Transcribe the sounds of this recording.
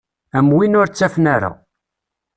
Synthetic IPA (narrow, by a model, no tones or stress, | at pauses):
æmwinʊɾt͡sːæfnæɾa̰